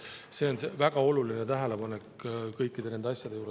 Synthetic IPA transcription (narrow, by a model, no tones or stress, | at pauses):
se̞o̞nsevæɡ̥ɑo̞lulinet̪æɦele̞pɑnekkɤjkːˑid̪̥e̞ne̞nd̪eɑsʲjɑd̪e̞juːɾe